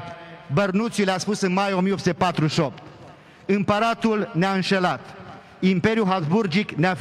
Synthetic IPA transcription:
bərnut̪sileaspusɨnmajo̞mijopsut̪epat̪ɾuʃop̚t̪ | ɨmpəɾat̪ulneaɨnʃelat̪ | impe̞ɾjuɦazburd͡ʒiknea

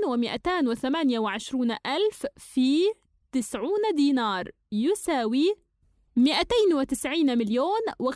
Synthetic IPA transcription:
nwɪmɪʔat̪aːnwɪθamaːnjawɪʕɪʃɾuːnʔalffiː | t̪ɪsʕuːnd̪iːnɑːɾˤ | jʊsaːwi | mɪʔat̪aːnwɪt̪ɪsʕiːnmɪljoːnwɪ

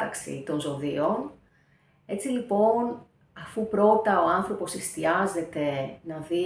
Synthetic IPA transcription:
ɐksḭt̪o̞nzo̞ðio̞n | e̞t͡silipo̞n | ɐfupɾo̞t̪ɐo̞ɐnθɾo̞po̞sist̪iɐze̞t̪e̞nɐði

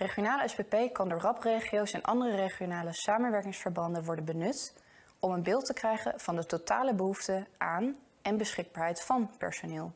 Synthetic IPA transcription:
reχijonaːləɛspepejkɑndʊːɹrɑprejχijowsɛnʔɑ̰ndərərejχijonaːləsaːmənʋɛɹkɪŋsfəɹbɑndənʋɔɹdənbənɵt | ɔmənbɪːlˠtəkrɛjχə̰nv̥ɑndətota̰ːləbəɦuftəʔaːn | ɛnbəsχɪɡ̚baːɹɦɛjtfɑnpɛ̰ɹsonɪːlˠ

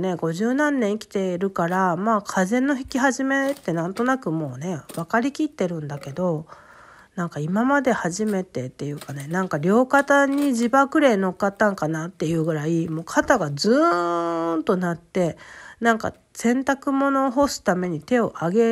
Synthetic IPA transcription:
ne̞ɡo̞ʑɨːnãnːẽɰ̃ikʲi̥t̪e̞ɾɯ̟kaɾamaːkʰazẽ̞nːo̞çi̥kʲiɦaʑime̞t̪ːe̞nãnt̪o̞nakɯ̟mo̞ːne̞βakaɾʲikʲit̪ːe̞ɾɯ̟̃nd̪ake̞d̪o̞ | nãŋkaimamad̪e̞haʑime̞t̪e̞t̪ːe̞jɯ̟ːkane̞nãŋkaɾʲo̞ːkat̪aɲ̟iʑibakɯ̟ɾe̞ːno̞kːat̪ːãŋkanat̪ːe̞jɯ̟ːɡɯ̟ɾaimo̞ːkʰat̪aɡazɨ | nt̪o̞nat̪ːe̞nãŋka̰ | sẽ̞nt̪akɯ̟mo̞no̞ɦo̞sɨ̥t̪ame̞ɲ̟it̪e̞o̞ʔaɡe̞

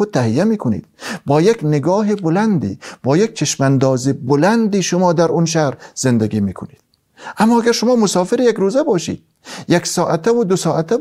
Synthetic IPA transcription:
od̪̚t̪ʰæhijæmiːkʰonḭːd̪̥bɒːjekneɡɒːɦibolænd̪ḭːb̥ɒːjek̚t͡ʃʰeʃmænd̪ɒːzibolænd̪iːʃomɒːd̪æɾʔunʃ̬æhɾz̥end̪æɡiːmiːkʰoniːd̪̥ | ʔæmːɒːæɡæɾʃʊmɒːmosɒːfeɾijækɾuːzæbɒːʃḭːd̪̥̚ | jeksɒːʔæt̪ʰævud̪osɒːʔæt̪ʰæ

